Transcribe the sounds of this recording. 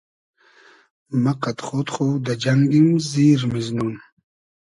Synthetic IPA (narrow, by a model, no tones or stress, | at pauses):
maqat̪χoːt̪χod̪ad͡ʑaŋɡimziːɾmiznun